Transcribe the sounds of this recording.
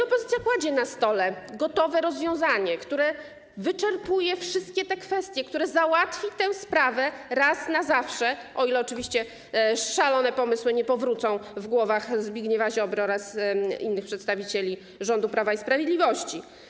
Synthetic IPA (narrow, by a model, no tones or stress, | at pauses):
ɔpɔzɘt̪sʲjapwad͡ʑɛnast̪ɔlɛɡɔt̪ɔvɛɾɔzvʲjɔ̃w̃zaɲɛkt̪uɾɛ | vɘt͡ʂɛɾpujɛfʂɘst̪̚kʲɛt̪ɛkfɛst̪ʲjɛkt̪uɾɛzawat̪fʲit̪ɛ̃w̃spɾavɛɾasnazafʂɛʔɔilɛɔt͡ʂɘvʲiɕt͡ɕɛ | ʂalɔnɛpɔmɘswɘɲɛpɔvɾut̪sɔ̃w̃vɡwɔvaxzbʲiɡɲɛvaʑɔbɾɔɾasḭnːɘxpʂɛt̪st̪avʲit͡ɕelʲi | ʐɔnd̪upɾavaispɾavʲjed̪lʲivɔɕt͡ɕi